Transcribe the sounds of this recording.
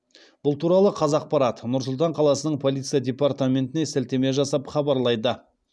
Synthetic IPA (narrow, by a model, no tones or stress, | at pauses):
b̥ʊlˠt̪ʰuɾɑlˠəqʰɑzɑq̚pɑɾɑt̪nʊɾsʊlˠt̪ɑɴqʰɑlˠɑsənəɴpʰo̞lˠijt̪sɨjadʲe̞part̪amʲe̞nt̪ɪnesælt̪e̞me̞ʒɑsɑpχɑbɑɾlˠɑjd̪ə